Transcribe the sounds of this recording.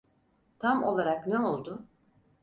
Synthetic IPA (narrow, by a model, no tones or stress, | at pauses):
t̪ʰamo̞̰lˠaɾakneo̞lˠd̪ʊ